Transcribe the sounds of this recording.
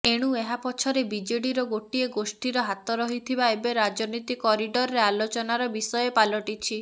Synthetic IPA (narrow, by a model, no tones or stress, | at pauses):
eɽ̃ueɦapɔt͡ʃʰɔɾebid͡ʒeɽiɾɔɡoʈieɡosʈiɾɔɦat̪ɔɾɔɦit̪ʰibaebeɾad͡ʒɔnit̪ikɔɾiɖɔɾɔɾealot͡ʃɔnaɾɔbisɔjepalɔʈit͡ʃʰi